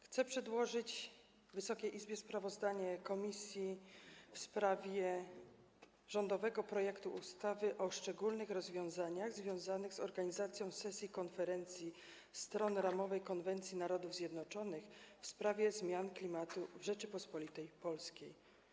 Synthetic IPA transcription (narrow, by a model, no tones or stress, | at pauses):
xt̪sɛpʂɛd̪wɔʐɘd͡ʑ | vɘsɔkʲeʔizbʲjɛspɾavɔzd̪aɲɛkɔmʲisʲjifspɾavʲjɛ | ʐ̥ɔnd̪ɔvɛɡɔpɾɔjɛkt̪uʔust̪avɘʔɔʂt͡ʂɛɡulnɘxɾɔzvʲjɔ̃w̃zaɲaɣzvʲjɔ̃w̃zanɘɣzɔɾɡaɲizat̪sʲjɔ̃w̃sɛsʲjikɔnfɛɾɛnt̪sʲji | st̪ɾɔnɾamɔvɛjkɔnvɛnt̪sʲjinaɾɔd̪uvzʲjɛd̪nɔt͡ʂɔnɘxfspɾavʲjɛzmʲjanklʲimat̪uvʐɛt͡ʂɘpɔspɔlʲit̪ɛjpɔlskʲej